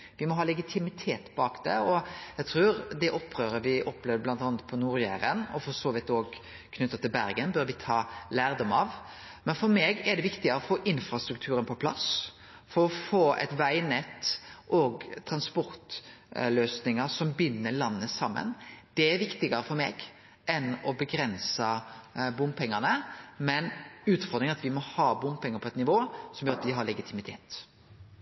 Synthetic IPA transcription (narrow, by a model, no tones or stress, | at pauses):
ʋɪmɔɦɑːlɛɡɪt̪ʰɪmɪt̪ʰeːt̪b̥ɑːkd̪ɛ̰ɔjæt̪ʰɾuːɾd̪ɛʔɔpːɾøːɾəʋɪʔɔpːlɛʋd̪əblɑnt̪ɑːnət̪̚pʰɔnuːɾjæ̰ːɾənɔfɔsoːʋɪt̪oːɡ | kʰnʏt̪ːət̪ʰɪlbæɾɡənbøːɾʋɪt̪ʰɑːlæːɾd̪ɔmɑ̰ʋ | mɛnfɔɾmeːɡɛɖɛʋɪkt̪ɪɡəɾɔfoːʔɪnfɾɑst̪ɾʉkt̪ʰʉːɾənpʰɔpʰlɑ̰s | fɔɾɔfoːʔɛ̰t̪ʋæɪnɛt̪ːʔɔɡt̪ʰɾɑnspɔɾt̪løːsnɪŋəsɔmbʏnːəɭɑnːəsɑmːə̰nd̪̥ɛæɾʋɪkt̪ɪɡəɾəfɔɾmḛːɡ | ʔɛnɔbəɡɾɛnsəbʊmpʰɛŋːənəmɛnʉːt̪fɔɾd̪ɾɪŋɑt̪ʋɪmɔhɑːbʊmpʰɛŋːəɾpʰɔɛt̪nɪʋoːsɔmjøːɾɑt̪d̪ɪɦɑɾɭɛɡɪt̪ʰɪmɪt̪ʰeːt̪